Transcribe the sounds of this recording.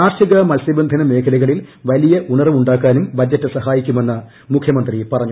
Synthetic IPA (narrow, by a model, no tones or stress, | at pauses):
aːrɕɐɣɐmɐlsibɐnd̪ʱɐnɐme̞ːkʰɐlɐɣɐɭilʋɐlijɐʔuɳɐrɐʋuɳɖaːkːaːnumbʱɐd͡ʑːɐtːɨsɐɦaːjikʲːume̞nːɐ | mukʰjɐmɐnd̪ripɐrɐɲːu